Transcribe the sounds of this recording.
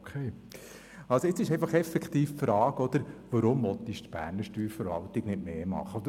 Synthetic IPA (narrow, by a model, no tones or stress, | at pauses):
okʰeː | ɑlsoɪt͡sːɪʃɛɪfɑχɛfɛkχt̪iːffɾɑːkɔd̪̥əɾʋəɾʊmvɔt̪iʃt̪b̥æ̰ːɾnəɾʃtyːɾfəɾʋɑ̰lt̪iɡnɪtmeːmɑ̰χəɔd̪ə